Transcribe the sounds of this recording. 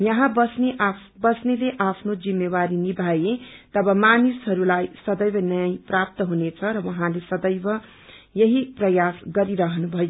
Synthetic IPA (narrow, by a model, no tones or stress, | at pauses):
jʌɦãbʌsneʔ | bʌsneleʔapʰnod͡zimːewaɾinibʱajet̪ʌbʌmanisɦʌɾulajsʌd̪ʌjbʌnʌjajprap̚t̪ʌɦunet͡sʰʌɾʌwʌɦãlesʌd̪ʌjbʌ | jʌɦiprʌjasɡʌɾiɾʌɦʌnubʱʌjo